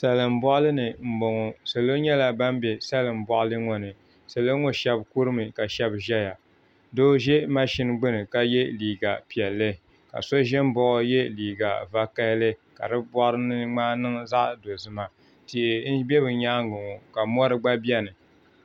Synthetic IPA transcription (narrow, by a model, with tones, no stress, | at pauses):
sa˨lɨ˨m̩˨bɔ˦ʔlɨ˦nɨ˨m̩˨bo˨ŋɔ˨sa˨lo˦ɲɛ˦la˨ba˦m˦bɛ˨sa˦lɨ˨m̩˨bɔ˦ʔlɨ˦ŋɔ˨nɨ˨ | sa˨lo˦ŋo˦ʃɛ˦bku˦ɾɨ˦mɨ˨ka˨ʃɛ˦bʒɛ˦ja˨ | doː˦ʒɛ˦ma˦ʃi˦nɡ͡bɨ˦nɨ˨ka˦jɛ˦liː˨ɡa˨pi˨ɛ˨lːɨ˦ | ka̰˨so˦ʒɛ˦m˦bɔ˨ʔɔ˦jɛ˦liː˨ɡa˨va˦ka˦lɨ˦ka̰˨ɾɨ˦bɔ˦ʔɾɨ˦nɨ˦ŋ͡maː˦nɨ˦ŋza˦ʔdo˨zɨ˦ma˨ | ti˨ʔɪ˨˦n̩˦bɛ˦bɨ˨ɲaː˦ŋ˦ɡʊ˨ŋɔ˨ka˨mɔ˦ɾɨ˦ɡ͡ba˦bi˦ɛ˦nɨ˨